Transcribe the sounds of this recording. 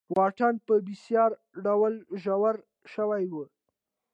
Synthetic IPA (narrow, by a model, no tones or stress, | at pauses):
wɑʈanpəbisjɑɾ | ɖawalʒawaɾ | ʃəwajwə